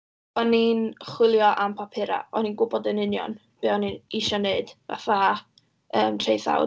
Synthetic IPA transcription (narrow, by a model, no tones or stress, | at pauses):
ɔninχwɪlˠjɔʔampʰapʰɪɾa̰ɔninɡʊbɔdənɪnjɔ̰n | b̥ɨɔniniʃɔneɨd̥va̰fa | əːmtʰrejθa̰w